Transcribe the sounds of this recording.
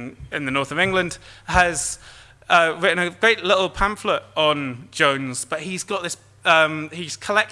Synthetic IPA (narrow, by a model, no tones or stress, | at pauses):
ɪ̃nðənɔˑθəvɪ̃ŋɡlə̃nd̥əz̥ | ʌɹɪʔn̩əɡ̥ɹeɪʔlɪʔl̩ˠpʰãɱflətn̩d͡ʒõʊ̃nz̥b̥ʌʔɦizɡɒʔðɪs | ʌ̃mhiz̥kʰəlɛk̚